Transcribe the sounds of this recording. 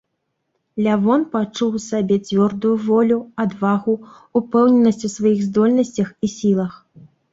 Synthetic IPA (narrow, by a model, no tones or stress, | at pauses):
lʲavɔnpat͡ʂuwsabʲɛt͡sʲvʲɔrd̪ujuvɔlʲuad̪vaɣuː | pɛwnʲɛnːɐsʲt͡sʲusvajiɣzd̪ɔlʲnɐsʲt͡sʲɐxisʲilˠɐx